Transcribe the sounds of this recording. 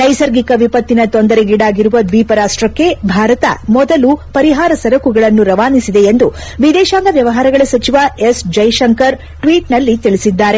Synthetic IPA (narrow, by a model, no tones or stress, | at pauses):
nɐjsɐɾɡikɐʋipɐt̪ːinɐt̪ond̪ɐɾeɡiɽaːɡiɾuʋɐd̪ʋiːpɐɾaːsʈɾɐkːe̞bʱaːɾɐt̪ɐ̰mɔd̪ɐlupɐɾiɦaːɾɐsɐɾɐkuɡɐɭɐnːuɾɐʋaːnisid̪e̞end̪u | ʋid̪ɛːʃaːŋɡɐʋjɐʋɐɦaːɾɐɡɐɭɐsɐt͡ʃiʋaesd͡ʒɐjʃɐŋkɐɾ | ʈʋiːʈnɐlːit̪iɭisid̪ːaːɾe̞